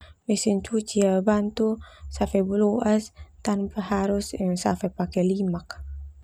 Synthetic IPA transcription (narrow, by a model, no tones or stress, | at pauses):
mesint͡ʃut͡ʃiabant̪usafebuloʔast̪anpahaɾussa̰fɛpakɛlimak